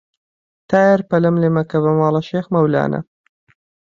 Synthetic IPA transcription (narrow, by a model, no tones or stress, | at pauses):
t̪ʰaːjɐɾpɐlɐmlemɐkɐβɐmɑːlˠɐʃeːxmɐwla̰ːnʔɐ̰